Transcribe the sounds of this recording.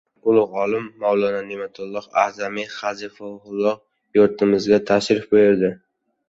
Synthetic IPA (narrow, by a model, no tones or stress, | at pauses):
bʊlˠʊqɒlɪmːawlˠɒnanemat̪ʰʊlˠːɒqa̰zamiχazɪfawhʊlˠːɒq | joɾt̪ʰɪmɪzɡʲat̪ʰaʃɾɪfbojɪɾd̪ɪ